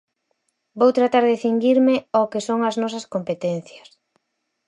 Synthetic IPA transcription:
bowt̪ɾat̪aɾðeθiŋɡiɾmɪɔkesoŋɐznɔsɐskompet̪ɛn̟θjɐs

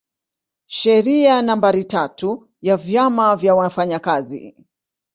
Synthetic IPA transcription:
ʃɛɾianambaɾitatu | javjamavjawafaɲakazḭ

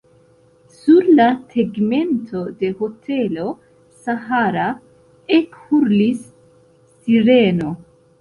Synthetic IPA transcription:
suɾlatʰeɡme̞ntʰo̞de̞hotʰe̞lo̞ | saɦaɾa | ekhuɾlisː | iɾeno̞

